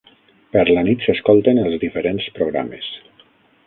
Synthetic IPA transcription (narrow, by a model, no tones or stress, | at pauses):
pəɾlanit̪seskolˠt̪enəlˠzðifeɾenspɾoɣɾa̰mḛs